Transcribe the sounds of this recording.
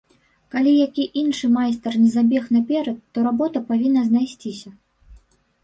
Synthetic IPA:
kalʲijakʲiʔinʂɨmajst̪ɐrnʲɛzabʲɛxnɐpʲɛɾɐt̪ːɔɾabɔt̪ɐpavʲinːɐznajsʲt͡sʲisʲɐ

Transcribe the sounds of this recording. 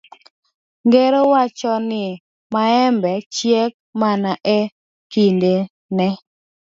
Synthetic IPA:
ŋɡeɾowat͡ʃɔnɪ | maɛmbɛt͡ʃjɛk̚manaʔɛ | kinde | nɛ

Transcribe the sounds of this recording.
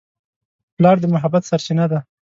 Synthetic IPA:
plɑɾd̪əmʊɦabat̪saɾt͡ʃinad̪a

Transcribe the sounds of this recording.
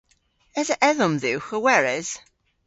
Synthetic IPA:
ɛzəʔɛðɔmðiwxəwɛɹɛz̥

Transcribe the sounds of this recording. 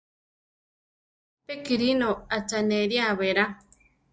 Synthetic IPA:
pekiɾinoat͡ʃaneɾjaβeɾa

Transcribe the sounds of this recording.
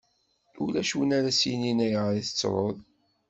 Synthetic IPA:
ulæʃuwənaɾæsjininæjʁɾiθə̥t͡sːɾˤoðˤ

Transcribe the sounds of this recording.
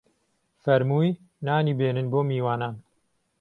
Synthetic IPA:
fɐɾmuːj | naːniːbeːnɨnboːmiːwaːnaːn

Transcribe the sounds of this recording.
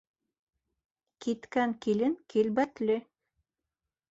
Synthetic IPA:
kit̪kæŋkilɘŋkilbæt̪lɘ

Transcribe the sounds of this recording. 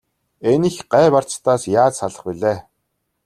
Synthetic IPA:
enĭxɢæːpar̥t͡st̪aːsjaːt͡ssaɮə̆χpiɮeː

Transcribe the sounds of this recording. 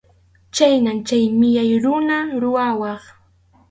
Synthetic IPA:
t͡ʃajnamt͡ʃajmɪjajɾʊnaɾʊwawɑχ

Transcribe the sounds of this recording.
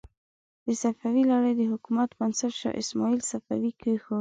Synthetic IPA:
d̪̥əsafawilaɽəjd̪əhʊkumat̪bansaɾʃa̰ʔɪsmɑilsafa̰wikəxo

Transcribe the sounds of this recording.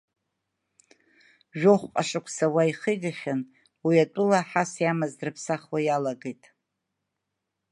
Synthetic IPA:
ʒᶣoχʷqʼaʂakʷʰsawaiχəjɡaχʲan | wiatʷʼʊlaħasjamazrɨpʰsaχwajalaɡejtʼ

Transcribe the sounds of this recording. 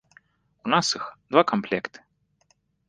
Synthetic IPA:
unasɨxd̪vakamplʲɛkt̪ɨ̥

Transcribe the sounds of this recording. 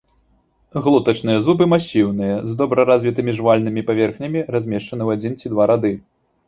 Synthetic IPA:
ɣlˠut̪ɐt͡ʂn̪ɨjɐzubɨmasʲiwnɨjɐzd̪ɔbɾɐɾazʲvʲit̪ɨmʲiʐvalʲnɨmʲipavʲɛrxnʲɐmʲirazʲmʲɛʂt͡ʂɐnɨwad͡zʲint͡sʲid̪vaɾad̪ɨ

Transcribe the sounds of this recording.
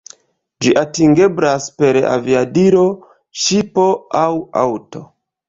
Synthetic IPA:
d͡ʒiʔatiŋɡe̞blaspe̞ɾa̰viadiɾo̞ | ʃipo̞awa̰wto̞

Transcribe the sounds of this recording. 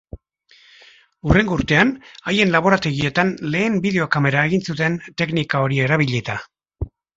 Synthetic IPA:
ure̞ŋɡouɾt̪e̞anaje̞nlaβ̞o̞ɾat̪e̞ɣ̞ie̞t̪anle̞ːmbiðe̞o̞kame̞ɾaeɣinsut̪e̞nt̪e̞knikao̞ɾie̞ɾaβ̞iʎit̪a

